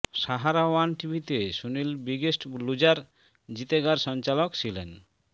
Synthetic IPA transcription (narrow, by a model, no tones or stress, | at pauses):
ʃaɦaɾawanʈibʱit̪eʃunilbiɡesʈlud͡ʑaɾ | d͡ʑit̪eɡaɾʃɔnt͡ɕalokt͡ɕʰilḛn